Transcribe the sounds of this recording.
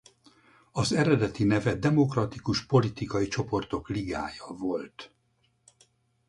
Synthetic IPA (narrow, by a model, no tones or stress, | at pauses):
ɒzɛɾɛd̪ɛt̪inɛvɛd̪ɛmo̞krɒt̪ikuʃpo̞lit̪ikɒjit͡ʃo̞po̞rt̪o̞kliɡa̰ːjɒvo̞lt̪